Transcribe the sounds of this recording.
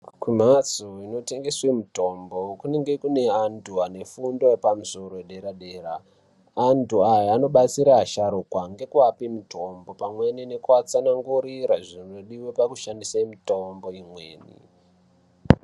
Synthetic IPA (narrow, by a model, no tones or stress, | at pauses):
kwim̤at͡suino̞te̞ŋɡe̞swemuto̞mbo̞kune̞ŋɡe̞kune̞antʰuane̞fundo̞epamuso̞ɾoeɗe̞ɾaɗe̞ːɾaː | ntʰuajaano̞ɓat͡siɾaɦːʃaɾukwaŋɡe̞kuapimitʰo̞mbo̞pamwe̞nine̞kuat͡sanaŋɡuɾiɾaʐino̞ɗiwepakuʃandisamitombo̞imwe̞̰ːnḭ